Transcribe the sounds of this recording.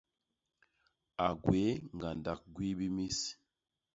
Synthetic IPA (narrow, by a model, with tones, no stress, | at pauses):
a˨ɡwe˨˦ŋɡa˨nda˨k̚ɡwi˦bi˦mi˦s